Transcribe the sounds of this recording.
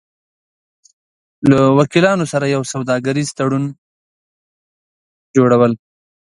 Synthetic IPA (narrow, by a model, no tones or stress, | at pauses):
lawakilɑnosaɾajawsawd̪ɑɡaɾizt̪aɽun | d͡ʒoɽawəl